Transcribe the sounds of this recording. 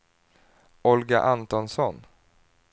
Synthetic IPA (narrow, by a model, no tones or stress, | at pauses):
ɔlɡa̰ʔant̪ɔnsɔn